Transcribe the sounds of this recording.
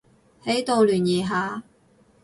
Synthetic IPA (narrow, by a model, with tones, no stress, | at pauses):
he˨˥jt̪o˨˧wlyː˨˩njiː˨˩ɦaː˨˧